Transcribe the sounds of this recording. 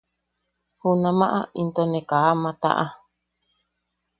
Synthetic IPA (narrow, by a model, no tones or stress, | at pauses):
hunãmãʔaʔint̪onẽkaamãt̪a̰ʔa